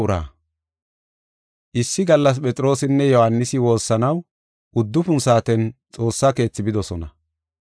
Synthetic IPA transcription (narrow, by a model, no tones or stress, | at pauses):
ɾa̰ː | ʔɪsːɪɡɐlːɐs̬pʼɛt͡sʼɪɾo̞ːsɪnːɛjɔhanːɪsɪwo̞ːsːɐnɐw | ʔʊd̪ːʊfʊnsaːt̪ɛnt͡sʼo̞ːsːake̞ːt͡sːɪbɪd̪ɔsɔnɐ